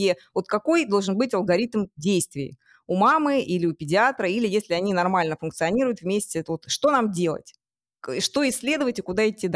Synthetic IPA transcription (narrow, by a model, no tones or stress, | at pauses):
evo̞t̪kɐko̞jd̪o̞lˠʐɨnbɨtʲɐlˠɡɐɾʲit̪mdʲejst̪vʲɪjɪ̰ | umamɨilʲɪʊpʲɪdʲɪat̪ɾəilʲɪjesʲlʲɪɐnʲinɐrmalʲnəfʊnkt̪sɨɐnʲiɾʊjʊt̪vmʲesʲtʲɪvot̪ʂt̪o̞namdʲe̞lˠə̰tʲ | ʂt̪o̞ɪsʲːlʲe̞d̪əvətʲɪkʊd̪aɪtʲːid̪a